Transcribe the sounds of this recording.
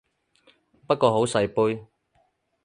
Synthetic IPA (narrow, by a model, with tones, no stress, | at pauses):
pɐ˥t̚kɔː˧ɦo˨˥wsɐ˨jpuː˥j